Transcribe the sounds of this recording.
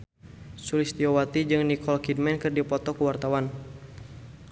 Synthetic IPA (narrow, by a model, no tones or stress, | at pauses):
sulist̪iɔwat̪id͡ʒɨŋnikɔlkid̚mɛnkɨrdipɔt̪ɔkuwart̪awan